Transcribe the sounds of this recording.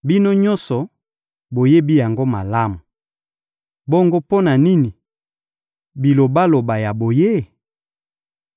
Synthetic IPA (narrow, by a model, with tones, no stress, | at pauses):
bi˦no˦ɲɔ˦nsɔ˨ | bo˨je˦bi˦ja˨ŋɡo˦ma˨la˦mu˨ | bo˦ŋɡo˦po˦na˨ni˦ni˨ | bi˨lo˨ba˦lo˨ba˨ja˨bo˨je˦